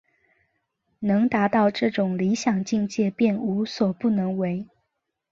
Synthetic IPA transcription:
nɤ˧˥ŋt̪a˧˥t̪ɑ˥˧ʊʈ͡ʂɤ˥˩ʈ͡ʂʊ˨˩ŋli˧˥ɕjɑ˨˩ŋt͡ɕi˥˧ŋt͡ɕjɛ˥˧pjɛ˥˩nu˧˥swɔ˨˩pu˥˩nɤ˧˥ŋwe˧˥ɪ

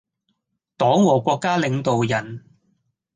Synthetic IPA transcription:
t̪ɔː˨˥ŋwɔː˨˩kʷɔː˧kːaː˥lɪ˨˧ŋt̪o˨wjɐ˨˩n

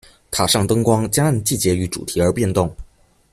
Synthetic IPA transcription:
t̪ʰa˨˩ʂɑ˥˩ŋt̪ɤ˥ŋkwɑ˥ŋt͡ɕja˥ə˥˧nt͡ɕi˥˩t͡ɕjɛ˧˥y˧˥ʈ͡ʂṵ˨˩t̪ʰi˧˥ə˞˧˥pjɛ˥˧nt̪ʊ˥˩ŋ

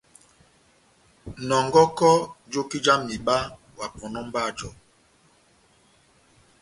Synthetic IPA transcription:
nɔ˨ŋɡɔ˦kɔ˦d͡ʒo˦ki˦d͡ʒa˦mːi˨ɓa˦ | wa˨pɔ˨nɔ˦m˦ba˦˨d͡ʒɔ˦˨

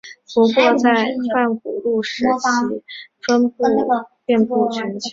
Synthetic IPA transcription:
pu˧˥kwɔ˥˧t͡sa˥˧ɪfa˥˩nku˨˩lu˥˩ʂɻ̩˧˥t͡ɕi˧˥˩fə˥npu˥˩ | jɛ˥˧npu˥˩t͡ɕʰɥɛ˧˥nt͡ɕʰ

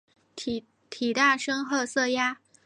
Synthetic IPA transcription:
t̪ʰi˨˩t̪a˥˩ʂɤ˥ŋxɤ˥˧sɤ˥˩ja˥

